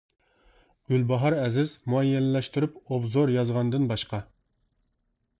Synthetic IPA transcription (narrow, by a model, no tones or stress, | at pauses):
ɡ̥ʲylbɑɦɑɾɛzɪzmuɛjːɛnɪlɛʃt̪yɾypobzoɾjɑzʁɑnd̪ɨnbɑʃqɑ